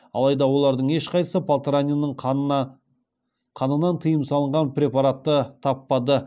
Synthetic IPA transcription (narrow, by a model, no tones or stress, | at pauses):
ɑ̰lˠɑjd̪ɑwo̞lˠɑɾd̪əɴe̞ʃqʰɑjsəpʰalˠt̪ɾanʲinəɴ | qʰɑnənɑnt̪ʰəjəmsɑlˠəɴʁɑnpɾʲe̞pɑɾat̪ːət̪ʰɑpːɑd̪ə